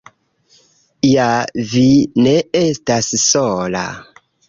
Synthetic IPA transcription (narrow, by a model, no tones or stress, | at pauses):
javine̞e̞stassola̰